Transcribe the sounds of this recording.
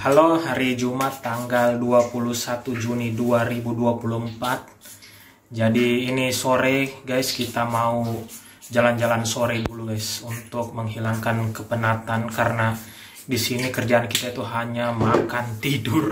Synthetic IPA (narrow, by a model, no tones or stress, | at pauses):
halohaɾid͡ʒumat̪ːaŋɡalduapuluhsat̪ud͡ʒuniduaɾibuduapuluhəmpat̪̚ | d͡ʒadiːnisoɾɛɡajskit̪amau | d͡ʒaland͡ʒalansoɾɛduluɡajsunt̪ʊk̚məŋɦilaŋkankəpənat̪ankaɾəna | disinikərd͡ʒaːnkit̪ait̪uɦaɲamakant̪idʊr